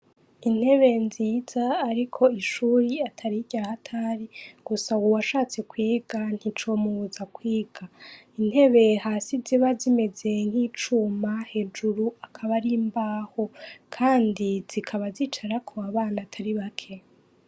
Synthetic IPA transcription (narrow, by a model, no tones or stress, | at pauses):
in̥he̞βe̞nziːz̥aːɾikʰo̞iʃuːɾiatʰaɾiɟahatʰaɾiɡ̥usawuwaʃaːt͡se̞kwiːɡan̥hit͡ʃo̞muzakwiːɡ̥a | in̥he̞βe̞haːsiziβazime̞ze̞ŋ̥hiːt͡ʃuːmahe̞ːd͡ʒuɾuakʰaβaɾimbaːho̞kʰaːndiz̥ikʰaβazit͡ʃaɾakʰo̞aβaːnatʰaɾiβakʰe̞